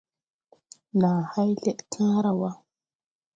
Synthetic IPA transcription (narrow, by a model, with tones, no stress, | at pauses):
naː˨ha˦jɮe˦ɗkʰãː˦ɾa˨wa˦